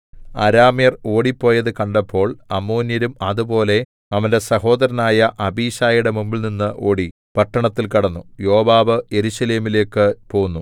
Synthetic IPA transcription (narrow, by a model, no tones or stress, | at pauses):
ɐ̰ɾaːmjɐro̞ːɽipːo̞ːjɐðɨkɐɳɖɐpːo̞ːɭɐmːoːnjɐɾumɐðubo̞ːle̞ | ɐʋɐnde̞sɐho̞ːd̪ɐɾɐnaːjɐʔɐbiːɕaːjiɽe̞mumbilninːɨʔo̞ːɽi | pɐʈːɐɳɐt̪ːilkɐɽɐnːujo̞ːbaːʋɨe̞ɾuɕɐle̞ːmile̞ːkːɨpo̞ːɣunːu